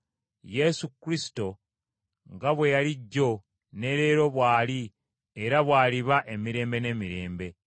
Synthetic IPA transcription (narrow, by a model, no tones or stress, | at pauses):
je̞sukːɾisi̥to̞ | ŋɡaβwe̞jaliɟːo̞ | ne̞ɾe̞ːɾo̞βwaːli | eɾaβwaːliβaʔe̞miɾe̞ːmbe̞ne̞ːmiɾe̞ːmbe̞